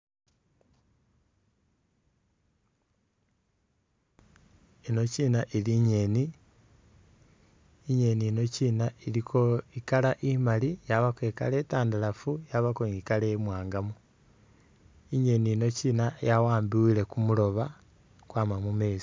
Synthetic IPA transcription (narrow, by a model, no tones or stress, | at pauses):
ino̞ciːnaʔiliɲe̞ni | ɲe̞nino̞ciːnailikʰo̞ikalaʔimalijaβakweːka̰letaːndalafujaβakoɲikalemwaːŋɡamu | iɲe̞nino̞cinajawaːmbiwile̞kumulo̞βa | kwaːmamume̞ːsi̥